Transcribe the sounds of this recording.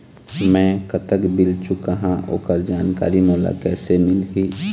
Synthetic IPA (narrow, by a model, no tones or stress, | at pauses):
mɛ̃kət̪əkbɪlt͡ʃʊkaɦãʔo̰ːkəɾd͡ʒaːnka̰ːɾimoːla̰kɛːsemɪlɦi